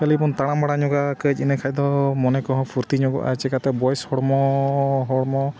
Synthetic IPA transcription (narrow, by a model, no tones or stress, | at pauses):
kalibɔnt̪aɽ̃ambaɽaɲɔɡakəd͡ʒinɛkʰajd̪ɔmɔnekɔɦɔ̃pʰuɾt̪iɲɔɡɔ̰ʔa̰t͡ʃɛkat̪abɔjshɔɽmɔɦɔɽmɔ